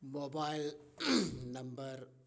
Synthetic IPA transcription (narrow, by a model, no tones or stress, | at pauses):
mobaɪl | nɐ̃mbɐɾ